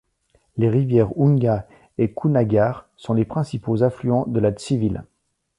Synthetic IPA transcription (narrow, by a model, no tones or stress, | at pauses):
leʁivjɛʁuŋɡa | ekʰunaɡʲaːʁ | sɔ̃lepχɛ̃sipozaflyɑ̃d̪əlad̪sivil